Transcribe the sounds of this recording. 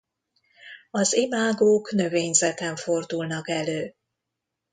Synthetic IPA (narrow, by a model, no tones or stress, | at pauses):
ɒzimaːɡoːkn̪ø̞veːɲzɛt̪ɛɱfo̞rd̪ulnɒkɛløː